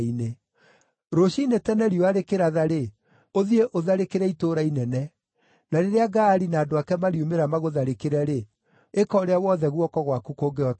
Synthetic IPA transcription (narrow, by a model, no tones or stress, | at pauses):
ine | ɾoʃiinetɛnɛɾioaɾekeɾaðaɾe | oðieʔoðaɾekeɾɛitoɾainɛnɛ | naɾeɾeaɡaːɾinaːdoakɛmaɾiomeɾamaɣoðaɾekeɾɛɾe | ekɔːɾeawɔðɛɣwɔkɔɣwakukoːɡeɔ